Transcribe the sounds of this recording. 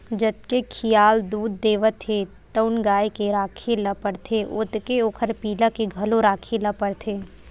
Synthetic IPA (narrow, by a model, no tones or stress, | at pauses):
d͡ʒɐt̪̚kekʰijaːld̪uːd̪ːeːʋət̪ʰːe | t̪əʊnɡaːjkeɾaːkʰelɐpəɽt̪ʰeʔʊt̪keoːkʰəɾpiːlakeɡʱɐloɾaːkʰelɐpəɽt̪ʰeː